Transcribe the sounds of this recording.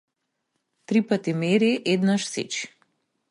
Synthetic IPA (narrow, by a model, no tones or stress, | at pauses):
t̪ɾipat̪imɛɾiʔɛd̪naʃsḭt͡ʃi̥